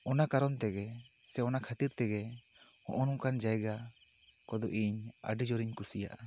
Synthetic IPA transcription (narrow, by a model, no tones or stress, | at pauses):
ɔnakaɾɔnt̪ɛɡɛsɛɔnakʰat̪iɾt̪ɛɡɛ | hɔ̰̃ʔɔnɔŋkand͡ʒajɡa | kɔd̪ɔʔiɲa̰ɖid͡ʒɔɾiɲkusija̰ʔa